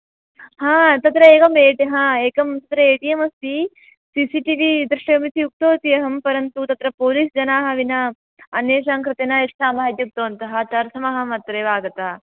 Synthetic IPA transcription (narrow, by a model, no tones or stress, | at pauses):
hãːt̪ɐt̪ɾɐeːkɐmeːʈiɦãːeːkɐmt̪ɐt̪ɾɐeːʈijɐmɐst̪i | siːsiʈiʋid̪ɾɪʂɐɐmisiuk̚t̪oːt̪ijɐɦɐmpɐɾɐnt̪ut̪ɐt̪ɾɐpoːliːsd͡ʒɐnaːɦɐ̆ʋinɐ | ɐnjeːʃaːŋkɾɨt̪eːnɐest̪aːmaːd̪juk̚t̪oːnt̪ɐɦɐt̪ɐɾsʰɐmɐɦɐmɐt̪ɾeːʋaːɡɐt̪ɐ